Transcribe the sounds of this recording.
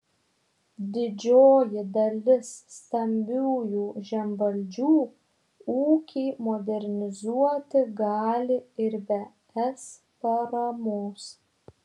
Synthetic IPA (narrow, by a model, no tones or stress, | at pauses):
d̪ʲɪd͡ʒʲoːjɪd̪ɐlʲɪsːt̪ɐmʲbʲuːjuːʒʲɛmʋɐlʲd͡ʒʲuː | uːkʲɛɪmɔːd̪ʲɛɾʲnʲɪzuɔt̪ʲɪɡɑːlʲɪɪɾbʲɛ | ɛs | pɐɾɐmoːs